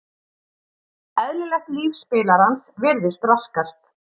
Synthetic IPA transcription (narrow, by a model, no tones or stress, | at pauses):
ɛðlɪlɛxt̪liːfspɪːlaɾansvɪɾðɪst̪raskast̪